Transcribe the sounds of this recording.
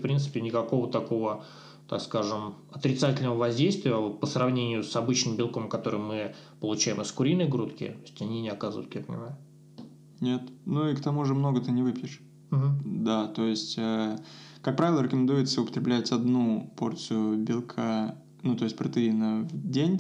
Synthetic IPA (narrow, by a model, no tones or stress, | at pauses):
fpɾʲint̪sɨ̥pʲɪnʲɪkɐko̞vət̪ɐko̞və | t̪a̰kskaʐɨm | ɐt̪ɾʲɪt̪satʲɪlʲnəvəvɐzʲdʲejst̪vʲɪəvot̪̚pəsɾɐvnʲenʲɪjʊsɐbɨt͡ɕnɨmbʲɪlˠkomkɐt̪o̞ɾɨjmɨpəlˠʊt͡ɕæjɪmɨskʊɾʲinːɨjɡɾut̪kʲɪ̰t̪oɪsʲtʲɐnʲinʲɪɐkazəvə̰ɪt̪japə̰nʲɪ̰majʊ | nʲe̞t̪nuikt̪ɐmuʐɨmno̞ɡət̪ɨnʲɪvɨpʲjɪʂ | m̩ɦm̩d̪at̪o̞jɪsʲtʲakak̚pɾavʲɪlˠəɾʲɪkəmʲɪnd̪ujɪt̪səʊpə̥t̪ɾʲɪblʲætʲɐd̪nupo̞rt̪sɨjʊbʲɪlˠkʰa | nut̪o̞jɪsʲtʲpɾət̪ɨinəvdʲenʲ